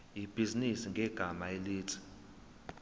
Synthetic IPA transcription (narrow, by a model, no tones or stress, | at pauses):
ib̥ʱizinisiŋɡʱɛɡ̥ʱamaeliːtʰi̥